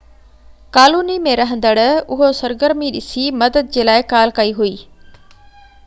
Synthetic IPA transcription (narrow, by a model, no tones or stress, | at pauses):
kaːluːnimẽɾɐɦə̃nd̪əɽʊɦosɐɾɡəɾmiɗɪsimɐd̪əd̪̚d͡ʑeːlaːɪkaːlkɐiɦuiː